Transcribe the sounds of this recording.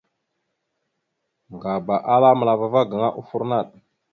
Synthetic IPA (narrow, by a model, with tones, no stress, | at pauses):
ŋɡa˨ba˨ʔa˦la˦mə˨la˨va˨va˦ɡə˨ŋa˦ʔu˦fu˦ɾna˦˨ɗ